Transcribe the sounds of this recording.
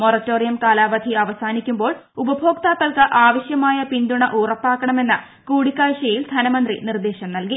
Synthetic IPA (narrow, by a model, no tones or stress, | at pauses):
morɐtːoːrijɐmkaːlaːbɐd̪ʱiɐʋɐsaːnikʲːumbo̞ːɭ | ubɐbʱo̞ːk̚t̪aːt̪ːɐlkɨʔaːʋɐɕjɐmaːjɐpind̪uɳɐʔuːrɐpːaːkːɐɳɐme̞nːɐ | kuːɽikːaːɕɐjild̪ʱɐnɐmɐnd̪rḭnird̪eːɕɐmnɐlki